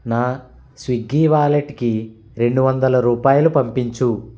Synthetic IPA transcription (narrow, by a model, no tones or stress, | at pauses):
naː | sʋiɡːiːʋaːleʈki | ɾe̞ɳɖuʋɐnd̪ɐlɐɾuːpaːjɐlupɐmpiɲt͡ʃu